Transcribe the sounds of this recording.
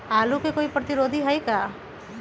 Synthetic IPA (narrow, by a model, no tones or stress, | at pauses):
alukekoipɾɔt̪iɾod̪ʱiɦəjka